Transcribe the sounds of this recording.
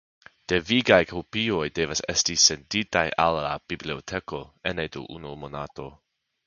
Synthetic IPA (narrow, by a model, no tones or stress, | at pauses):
d̥e̞viɡajkʰopio̞jde̞vase̞stise̞nditaja̰lːab̥ibliotʰe̞ko̞enedo̰ʔṵnomo̞nato̞